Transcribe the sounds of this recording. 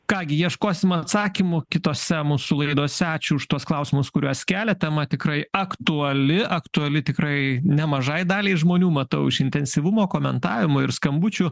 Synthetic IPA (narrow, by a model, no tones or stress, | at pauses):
kɑːɡʲɪjiɛʃkoːsʲɪmɐt̪sɑːkʲɪmʊkʲɪt̪oːsʲɛmuːsʊlˠɐɪd̪oːsʲɛɑːt͡ʃʲuʊʃt̪uɔsklˠɐʊsʲɪmʊskʊɾʲuɔskʲæːlʲɛt̪ʲɛmɐt̪ʲɪkɾɐɪɐkt̪ʊɐlʲɪʔɐkt̪ʊɐlʲɪt̪ʲɪkrɐɪnʲɛmɐʒɐɪd̪ɑːlʲɛɪʒmoːnʲuːmɐt̪ɐʊɪʃɪnʲt̪ʲɛnʲsʲiʋʊmoːkoːmʲɛnt̪ɑːʋʲɪmʊɪɾskɐmbʊt͡ʃʲʊ